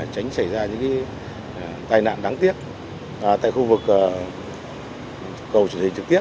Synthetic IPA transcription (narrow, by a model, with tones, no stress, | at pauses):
t͡ɕa˨˦jŋ̟sa˧˩jzaː˧ɲɨ̰˧˥ŋkaː˨˦˩ | t̪aː˧jna̰ː˧˨nɗaː˨˦ŋt̪i˦˥əp̚ | ʔt̪a̰ː˧˨jxu˧vɨ˨˩k̚ː | kə˨˩wt͡ɕu˧˩ənhï˨˩ŋ̟t͡ɕɨ˨˩k̚t̪i˦˥ə